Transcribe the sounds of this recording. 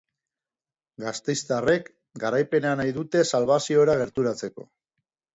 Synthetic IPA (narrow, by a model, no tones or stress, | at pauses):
ɡast̪e̞jst̪are̞k | ɡaɾajpe̞neanajðut̪e̞salβ̞asio̞ɾaɣ̞e̞ɾt̪uɾat͡se̞ko̞̰